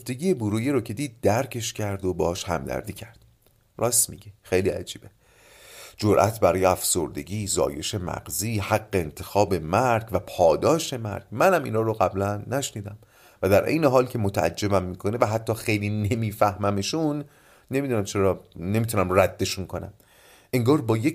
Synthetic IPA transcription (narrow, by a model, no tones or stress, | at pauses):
oft̪eɡɟijebuɾuːjeɾocʰe̞d̪iːd̪̚ːæɾcʰe̞ʃcʰæɾd̪obeɒːʃhæ̰md̪æ̰ɾd̪iːcʰæɾd̪̥̚ | rɒːsmiɟexejliæ̰d͡ʒiːb̥e | d͡ʒoɾʔæ̰t̪ʰbæɾɒːjeæfso̰ɾd̪e̞̰ɟiːzɒ̰ːje̞ʃe̞mæ̰ɡziːhæɡːeent̪ʰe̞xɒːbe̞mæɾɡvæpʰɒːd̪ɒːʃe̞mæ̰ɾɡ̥mænæmḭːnhɒːɾoɣæblænːæʃniːd̪æm | væd̪æɾʔḛjneɦɒːlcʰe̞mot̪ʰææ̰d͡ʒːe̞bæmːiːkʰo̞nevæɦæt̪ʰːɒːxe̞jliːnemiːfæhmæmeʃunː | e̞miːd̪uːnæmt͡ʃʰe̞ɾɒːne̞miːt̪ʰunæmræd̪̥ːe̞ʃunkʰo̞næ̰m | ʔeŋɡɒːɾbɒːjec